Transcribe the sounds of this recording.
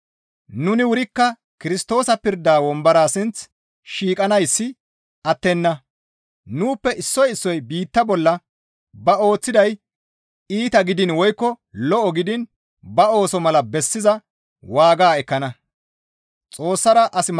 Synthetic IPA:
nʊnɪwʊɾɪkːɐ | kɪɾɪst̪o̞ːsɐpɪɾd̪aːwɔmbɐɾaːsɪnt͡s | ʃiːkʼɐnɐjsːɪ | ʔɐt̪ːɛnːɐ | nuːpːɛʔɪsːɔjɪsːɔjbiːt̪ːɐbɔlːɐ | bɐo̞ːt͡sːɪd̪ɐj | iːt̪ɐɡɪd̪ɪnwɔjkːɔ | lɔʔɔɡɪd̪ɪn | bɐo̞ːsɔmɐlɐbɛsːɪzɐ | waːɡaːɛkːɐnɐ | t͡sʼo̞ːsːɐɾɐʔɐsɪ

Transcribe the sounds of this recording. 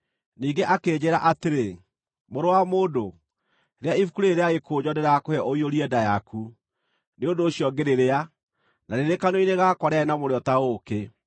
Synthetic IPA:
niːŋɡeʔakeːd͡ʑeɾa̰ʔateɾe | moɾowamoːndo | ɾeaifukuɾeeɾeaɣekʰoːd͡ʑɔneɾakohɛʔoioɾiɛdajakʰu | neondoːɕiɔɡeɾeɾea | naɾeɾekanoineɣakwaɾeaɛnamoɾeɔtaɣoke

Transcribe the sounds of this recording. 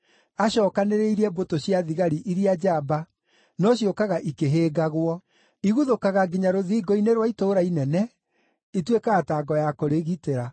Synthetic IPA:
aɕɔːkaneɾeiɾɛbotoɕjaðiɣaɾiʔiɾiad͡ʒaba | nɔɕiɔkaɣaʔikeɦeːɡaɣwɔ | iɣuðokaɣaɡiɲaɾoðiːɡɔineɾwaitoːɾainɛnɛ | itwekaɣataːɡɔjakoɾeɣiteɾa

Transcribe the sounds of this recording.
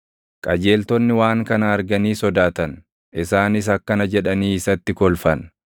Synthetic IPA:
kʼɐd͡ʒe̞ːlt̪ɔnːɪwaːŋkɐnɐːɾɡɐniːsɔd̪aːt̪ɐn | ɪsaːnɪs̬ɐkːɐnɐd͡ʒɛᶑɐniːɪsɐt̪ːɪkɔlfɐn

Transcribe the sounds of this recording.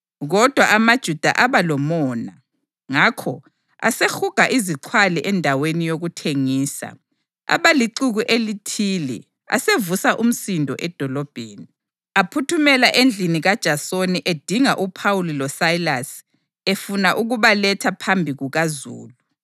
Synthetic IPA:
ɣɔd̥ʱwaamad̥ʒ̥ʱud̥ʱa̰ʔaβalɔmɔːna | ŋakʰɔ | a̰sexuɡ̥ʱaʔiziǃʰwaliʔɛndʱawenijoɣutʰeŋiːsa̰ | a̰βaliǀuɣuʔelitʰilɛ̰ | a̰sevusaʔum̩sindʱɔ̰ʔɛd̥ʱɔlɔb̥ʱeːni | apʰutʰumɛlaʔend͡ɮʱiniɣad̥ʒ̥ʱasoniʔed̥ʱiŋaʔupʰawulilɔsailas | efunaʔuɣuβalɛtʰapʰambʱiɣuɣazṵːlu

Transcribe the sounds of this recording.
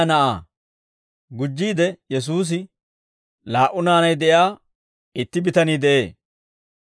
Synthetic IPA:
nɐʔa̰ː | ɡʊd͡ʒːiːd̪ɛjɛs̬uːs̬ɪ | laːʔʊnaːnɐjd̪ɛjaː | ɪt̪ːɪbɪt̪ɐniːd̪ɛʔeː

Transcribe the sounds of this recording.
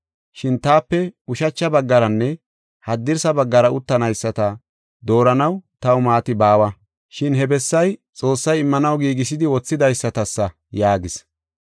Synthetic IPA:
ʃɪnt̪aːpːɛʊʃɐt͡ʃːɐbɐɡːɐɾɐnːɛ | hɐd̪ːɪɾsɐbɐɡːɐɾɐʊt̪ːɐnɐjsːɐt̪ɐ | d̪o̞ːɾɐnɐwt̪ɐwʊmaːt̪ɪbaːwɐ | ʃɪnhɛbɛsːɐjt͡sʼo̞ːsːɐjɪmːɐnɐwɡiːɡɪs̬ɪd̪ɪwɔt͡sːɪd̪ɐjsːɐt̪ɐsːɐ | jaːɡɪs

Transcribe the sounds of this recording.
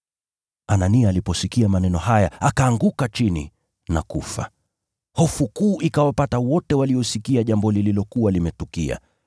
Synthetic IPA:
ananiaːlipɔsikiamanɛnɔɦajaakaːŋɡukat͡ʃinḭ | nakufa̰ | hɔfukuːʔikawapatawɔtɛwaliɔsikiaʄambɔlililɔkuwalimɛtukḭa̰

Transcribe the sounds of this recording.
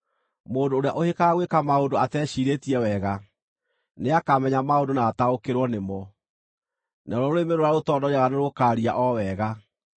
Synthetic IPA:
moːndoːɾeaʔohekaɣwekamaodoatɛɕiːɾetiɛwɛɣa | neakamɛɲamaodonaːtaokeɾwɔnemɔ | naɾɔoemeɾoɾaɾotɔːdɔɲaɣaneɾokaɾia̰ʔɔwɛɣa

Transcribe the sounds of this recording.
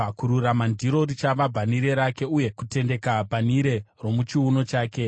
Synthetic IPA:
kuɾuɾamandʱiɾo̞ɾit͡ʃaʋabʱaniɾe̞ɾake̞uje̞kute̞nde̞kabʱaniɾe̞ro̞mut͡ʃiuno̞t͡ʃaːke̞

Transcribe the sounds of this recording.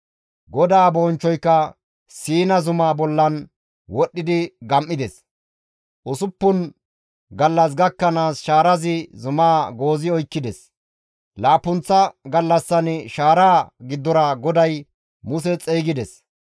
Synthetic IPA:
ɡɔd̪aːboːnt͡ʃːɔjkːɐ | siːnɐzʊmaːbɔlːɐn | wɔɗːɪd̪ɪɡɐmʔːɪd̪ɛs | ʔʊsʊpːʊn | ɡɐlːɐs̬ɡɐkːɐnaːsʃaːɾɐzɪzʊmaːɡo̞ːzɪɔjkːɪd̪ɛs | laːpːʊnt͡sːɐɡɐlːɐsːɐnʃaːɾaːɡɪd̪ːɔɾɐɡɔd̪ɐj | mʊsɛt͡sʼeːɡɪd̪ɛs

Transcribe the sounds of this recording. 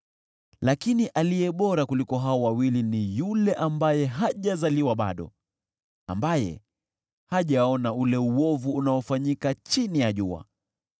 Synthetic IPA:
lakiniʔalijɛɓɔɾakulikɔɦaɔwawilinijulɛʔambajɛɦaʄazaliwaɓa̰ɗɔ̰ | a̰mbajɛ̰ | haʄaɔnaulɛuwɔvuunaɔfaɲikat͡ʃinijaʄua̰

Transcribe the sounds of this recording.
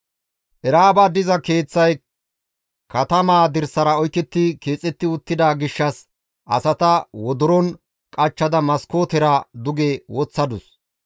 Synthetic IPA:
ʔɛɾaːbaːd̪ɪzɐke̞ːt͡sːɐj | kɐt̪ɐmaːd̪ɪɾsɐɾɐɔjt̪ːɛt̪ːɪke̞ːt͡sʼːɛt̪ːɪʊt̪ːɪd̪aːɡɪʃːɐs | ʔɐ̰sɐt̪ɐwɔd̪ʊɾɔn | kʼɐt͡ʃːɐd̪ɐmɐsko̞ːt̪ɛɾad̪ʊɡewɔt͡sːɐd̪ʊs

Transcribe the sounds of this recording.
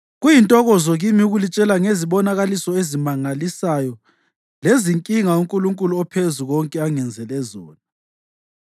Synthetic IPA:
ɣujintʼɔɣɔzɔɣimiuɣulit͡ʃʼɛlaŋeziβɔnaɣalisɔezimaŋalisajɔ | leziŋkʼiŋauŋkʼuluŋkʼuluɔpʰezuɣɔŋkʼɛaŋɛnd͡zʱɛlɛzɔːna

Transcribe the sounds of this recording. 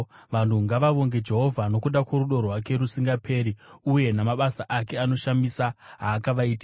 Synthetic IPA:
ʋan̤uŋɡaʋaʋo̞ŋɡe̞d͡ʒe̞ɦo̞vʱano̞kuɗakwoɾuɗo̞rwak̬e̞ɾusiŋɡapʰe̞ːɾiuje̞namaɓasaʔake̞ano̞ʃamisaɦaːkaʋaiti̥

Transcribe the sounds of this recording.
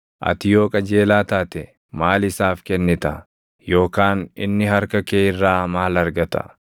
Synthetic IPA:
ʔɐ̰t̪ɪjo̞ːkʼɐd͡ʒe̞ːlaːt̪aːt̪ɛ | maːlɪsaːfkɛnːɪt̪ɐ | jo̞ːkaːnɪ̰nːɪɦɐɾkɐkeːɪrːaːmaːlɐɾɡɐt̪ɐ̰

